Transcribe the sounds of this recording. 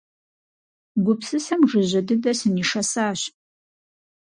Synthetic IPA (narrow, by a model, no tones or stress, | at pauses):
ɡʷʊpsɨsɐmʐɨʑɐdɨdɐsɨniːʂɐsaːɕ